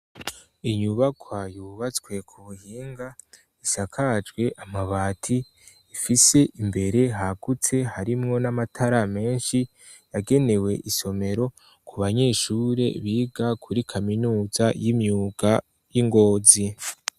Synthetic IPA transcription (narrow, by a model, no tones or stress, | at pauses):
iɲuβakʰwajuːβat͡skwe̞kʰuβuhiːŋɡa | isakʰad͡ʒɡwe̞ʔamaβaːtʰi | ifise̞ʔimbe̞ɾe̞ɦaɡut͡se̞ɦaɾimŋo̞namatʰaɾame̞ːnʃi | jaɡe̞ne̞we̞ʔiso̞me̞ɾo̞ | kuβaɲe̞ːʃuːɾe̞̰βiːɡakʰuɾikʰaminuːzajimɲuːɡ̥a | jiŋɡo̞ːzi